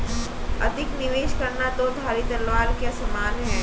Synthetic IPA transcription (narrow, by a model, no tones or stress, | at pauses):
ɐ̰d̪ʱɪknɪʋeːʃkɐɾnad̪oːd̪ʱaːɾit̪ɐlʋaːɾkjasɐmaːnɦɛː